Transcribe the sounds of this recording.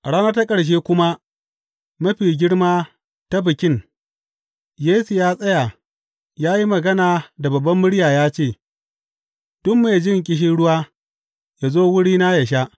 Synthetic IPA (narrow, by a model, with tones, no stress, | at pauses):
ʔɽaː˦nɐ˦ta˦kʼɐ˨ɽʃ̬eː˦kʷʊ˦ma˦ | mɐ˦ɸiː˨ɡʲɪ˦ɽmaː˦ | ta˦bɪ˨kʲɪ˦ŋ | jeː˦su˨jaː˦sʼɐ˦ja˨ | jaː˦ji˦mɐ˨ɡɐ˦naː˨da˨bɐ˨bːɐ˦mːʊ˦ɽjaː˨jaː˦t͡ʃeː˦˨ | d̥ʊ˦mmeː˨d͡ʒɪ˦˨ŋk̬ʲʼɪ˦ʃ̬ɪ˦ɽʊ˦waː˦ | ja˨zoː˦wʊ˦ɽiː˦na˦jɐ˨ʃ̬a˦ʔ